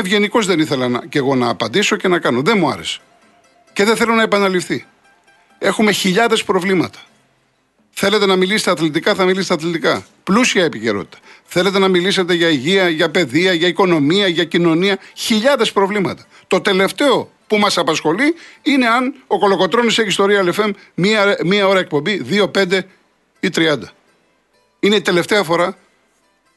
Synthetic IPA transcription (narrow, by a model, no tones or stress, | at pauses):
evʝe̞niko̞zðe̞niθe̞lɐnɐce̞ɣo̞nɐːpɐnd̪iso̞ce̞nɐkɐno̞ðe̞muɐ̰ɾe̞se̥ | ce̞ðeθe̞lo̞nɐepɐnɐlifθi | e̞xume̞çiʎɐðe̞spɾo̞vlimɐ̰t̪ɐ̥ | θe̞le̞t̪e̞nɐmiliset̪ɐːθlit̪ikɐθɐmilisst̪ɐθlet̪ikɐ | plusiɐepice̞̰ɾo̞̰t̪i̥t̪ɐ̥θe̞let̪̬e̞nɐmilise̞t̪e̞ʝɐiʝiɐʝɐpe̞ðiɐʝɐiko̞no̞miɐʝɐcino̞niɐçiʎɐðe̞spɾo̞vlimɐt̪ɐ̥ | t̪o̞t̪e̞le̞ft̪e̞o̞ | pumɐsɐpɐsxo̞liine̞ɐnoko̞lo̞ko̞t̪ɾoniseçist̪oɾiɐlefe̞m | mimiɐo̞ɾɐek̚po̞mbiðio̞pe̞nd̪e̞ | it̪ɾiɐnd̪ɐ | ine̞it̪e̞le̞ft̪e̞ɐfo̞ɾɐ